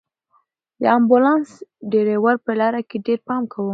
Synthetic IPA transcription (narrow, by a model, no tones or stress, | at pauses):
d̪ə̰ambulɑnsɖeɾewaɾpəlɑɾakeɖeɾpɑmkʰawə